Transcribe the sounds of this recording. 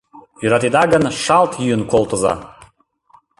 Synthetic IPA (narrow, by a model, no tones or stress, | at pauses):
yɾat̪id̪aɡanʂalt̪ʰjyɨnkʷʰolˠt̪ʼoza̰